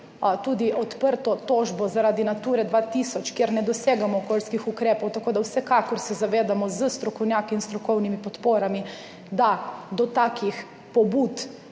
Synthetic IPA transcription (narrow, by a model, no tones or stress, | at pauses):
t̪uːd̪iʔɔt̪pəɾt̪ɔt̪oːʒbɔzaɾaːd̪inat̪uːɾɛd̪ʋat̪isɔt͡ʃkjeɾnɛd̪ɔseːɡamɔːkoːlskixukɾeːpɔwt̪akoːd̪awsɛkakɔɾsɛzaʋeːd̪amɔzəst̪ɾɔkɔwnjaːkiːnst̪ɾɔkɔwnimipɔt̪poːɾami | d̪ad̪ɔt̪aːkix | pɔbut̪